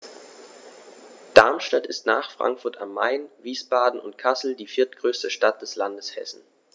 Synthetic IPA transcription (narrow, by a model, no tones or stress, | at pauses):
d̥aɐmʃtatɪstna̰ːχfʁ̥a̰ŋkfʊɐta̰mːa̰ɪnviːsb̥aːdn̩ʊ̰ntkʰasl̩diːfɪɐtɡ̥ʁøːstəʃtat̚d̥ɛslandəshɛ̰sn̩